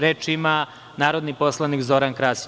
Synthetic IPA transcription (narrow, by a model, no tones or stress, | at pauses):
ɾeːt͡ʃima | naːɾod̪nipo̞slˠanikzoɾankɾaːs